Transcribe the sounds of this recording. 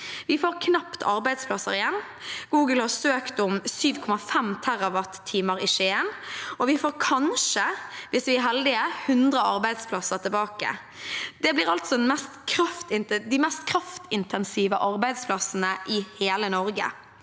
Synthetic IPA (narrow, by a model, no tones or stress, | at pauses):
ʋɪfoːɾkʰnɑpt̪ʰɑ̰ɾbæɪd̪spʰlɑsə̰ɾɪjɛnː | ɡ̥uːɡəlhɑɾsøːkt̪ʊmsyːʋkʰɔmɑfɛmt̪ʰæʁɑʋɑt̪ʰːiːməɾɪʃenɔʋɪfoːɾkʰɑnʂəʋɪsʋɪæɾɦɛld̪ɪəhʉnd̪ʁəɑɾbæɪd̪spʰlɑsəɾt̪ɪbɑːkə̰ | d̪̥ɛblɪɾɑlt̪sɔd̪ɛnmɛst̪kʰɾɑft̪ɪnd̪ɪmɛst̪kʰɾɑft̪ɪnt̪ʰɛnsiːʋəʔɑɾbæɪd̪spʰlɑsənəʔɪheːlənɔɾɡə̰